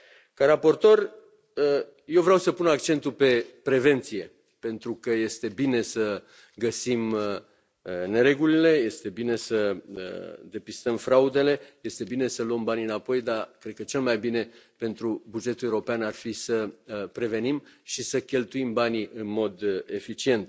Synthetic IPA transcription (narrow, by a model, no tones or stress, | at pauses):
kaɾapo̞rt̪o̞r | ə | jewvɾeawsəpunak̚t͡ʃe̞nt̪upe̞pɾe̞ve̞nt̪sije̞ | pe̞nt̪ɾukəje̞st̪e̞bine̞sə | ɡəsim | ne̞ɾe̞ɡulile̞je̞st̪e̞bine̞səə̰d̪e̞pist̪əmfɾaud̪e̞le̞je̞st̪e̞bine̞səluəmbaniɨnapo̞jd̪akɾed̪̚kət͡ʃe̞lmajbine̞pe̞nt̪ɾubud͡ʒe̞t̪uewuɾopeanarfisəpɾe̞ve̞nimʃisəkʲe̞lt̪uimbaniʔɨnmo̞d̪e̞fit͡ʃie̞nt̪̚